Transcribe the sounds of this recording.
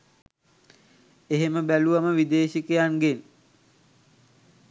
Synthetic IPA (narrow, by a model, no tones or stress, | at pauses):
eɦeməbæluʋaməʋid̪eːʃikəjaŋɡen